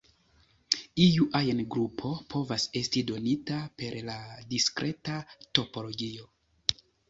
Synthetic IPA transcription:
ijuʔajenɡɾupʰo̞pʰo̞vase̞stido̞nitape̞ɾladiskɾʔe̞tato̞po̞lo̞ɡio̞

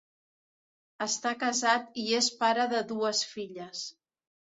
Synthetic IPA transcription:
əst̪akəzat̪iespaɾəðəðuəsfiʎəs

